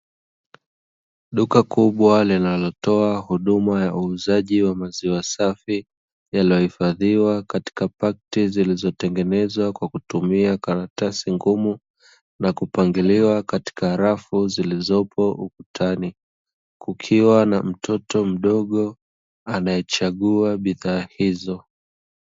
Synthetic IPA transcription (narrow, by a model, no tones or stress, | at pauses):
ɗukakʰuɓwalinalɔtɔahuɗumajaʔuːzaʄiwamaziwasafi | jalijɔhifaðiwakati̥kapak̚tizilizɔtɛŋɡɛnɛzwakwakutumiakaɾatasiŋɡumu | nakupaŋɡiliwakati̥kaɾafuzilizɔpʰɔʔukutʰani | kukʰiwanam̩tʰɔtɔm̩ɗɔɠɔ | anajɛt͡ʃaɠuaɓiðaːhizɔ